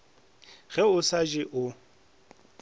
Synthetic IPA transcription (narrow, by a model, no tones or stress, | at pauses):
ɣ̥ɛʊsad͡ʒɪʔʊ